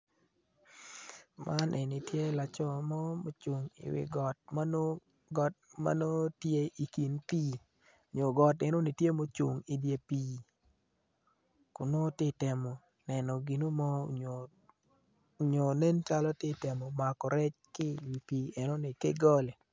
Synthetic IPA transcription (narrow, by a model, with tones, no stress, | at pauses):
mʔa˦nʔɛ˨nɪ˨tje˦la˨t͡ʃɔ˦mɔ˦mo˨t͡ʃo˨ŋɪ̰˨wɪ̰˨ɡɔ˨t̚ma˦no˦ | ɡɔ˨t̚ma̰˦no˦tje˦i˨ki˨npi˦˨ | ɲo˨ɡɔ˨tɛ˨no˦nɪ˨tje˦mo˦t͡ʃu˨ŋi˨dje˨˦pi˦˨ | kʊ˨no˦tɪ˦tɛ˨mɔ˨ | nɛ˨nɔ˨ɡi˨no˦mɔ˦˨ | ɲo˨ne˦nt͡ʃa˦lɔ˦tɪ˦tɛ˨mɔ˨ma˨kɔ˨ɾɛ˦t͡ʃkɪ˦wi˨pi˨ɛ˨nɔ˦nɪ˨ke˦ɡɔ˦lɛ˨